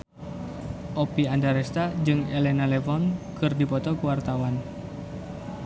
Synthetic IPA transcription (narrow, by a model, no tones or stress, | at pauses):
ʔɔpiandaɾɛst̪ad͡ʒɨŋɛlɛnalɛvɔnkɨrdipɔt̪ɔkuwart̪awan